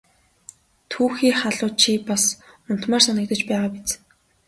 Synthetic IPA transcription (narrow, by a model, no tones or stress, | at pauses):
t̪ʰuːxiːχaɮʊːt͡ɕʰipasʊn̥t̪maːrsanə̆k̚t̪ə̆t͡ɕpæːʁaːpit͡s